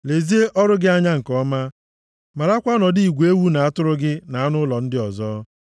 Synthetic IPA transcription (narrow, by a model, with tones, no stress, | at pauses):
le˨zi˦e˦ʔɔ˦ɾʊ˦ɡɪ˦a˦ɲa˦ŋ̩˨kɔ˦ma˦ | ma˨ɾa˦kʷa˦ɔ˦nɔ˨di˦i˨ɡʷe˦wu˦na˨a˦tʊ˦ɾʊ˦ɡɪ˦na˨a˦nʊ˦lɔ˨n̩˦dɪ˦ɔ˨zɔː˦